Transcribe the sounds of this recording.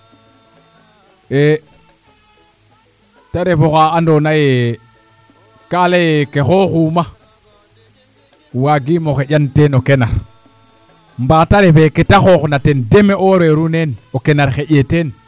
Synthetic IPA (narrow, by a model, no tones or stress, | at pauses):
e | taɾefoxaandonaje | kalejekexoxuːma | waɡimoxeɟantenokenaɾ | mbaːtaɾefeketaxoxnatendemeʔoɾeɾunenokenaɾxeɟeten